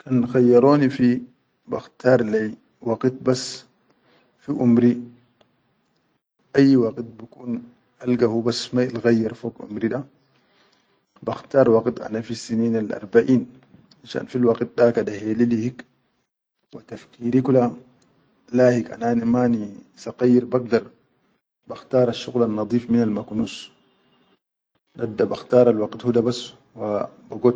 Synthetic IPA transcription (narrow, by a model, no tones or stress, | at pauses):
kanxajːɑɾoːnifi | ba̰xt̪aːɾˤlej | wɑqt̪̚bas | fiʔumɾi | ʔajːwaqt̪̚bikuːn | ʔalɡahubasmalɣajːɑɾfoːkʔṵmɾiɗa | baxt̪aːɾˤwɑqt̪ʔa̰nafisiniːnalʔa̰ɾˤbaʔiːn | ʔaʃa̰ːnfilwɑqt̪̚dakadahelilihik | wat̪afkiːɾikula | laːhika̰naːnimaːnisaqɑjːiɾbaɡ̚d̪ɑɾˤ | baxt̪aːɾˤaʃːuɣlanːɑd̪ˤiːfminalmaknuːs | dad̪ːabaxt̪ɑːɾˤalwɑɡt̪hud̪abas | wa | baɡot̪